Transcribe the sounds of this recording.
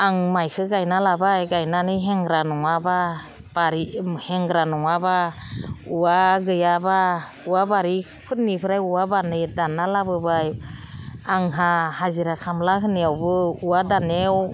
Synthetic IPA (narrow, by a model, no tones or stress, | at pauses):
aŋmajkʰɯɡajnalabajɡajnanɯjɦɛŋɡɾanɔŋaba | baɾihɛŋɡɾanɔŋaba | uaɡɯjaba | uwabaɾi | pʰɯt̚nipʰɯɾajuwabanɯjdanːalabɯbaj | aŋɦahaziɾakʰamlaɦɯnijawbɯuwadanew